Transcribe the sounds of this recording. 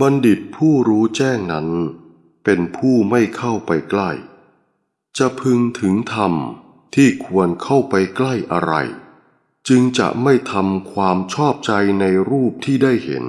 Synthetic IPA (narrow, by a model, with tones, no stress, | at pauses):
ba˧ndi˨˩t̪̚pʰuː˥˩ɾuː˦˥t͡ɕɛː˥˩ŋna˦˥n | pe˧npʰuː˥˩ma˥˩jkʰa˥˩wpa˧jkla˥˩j | t͡ɕa˨˩pʰɯ˧ŋt̪ʰɯ˩˦ŋt̪ʰa˧m | t̪ʰiː˥˩kʰu˧ənkʰa˥˩wpa˧jkla˥˩jʔa̰˧ɾa̰˧j | t͡ɕɯ˧ŋt͡ɕa̰˨˩ʔma˥˩jt̪ʰa˧mkʰwaː˧mt͡ɕʰɔː˥˩p̚t͡ɕa˧jna˧jɾuː˥˩p̚t̪ʰiː˥˩daː˥˩jhḛ˩˦n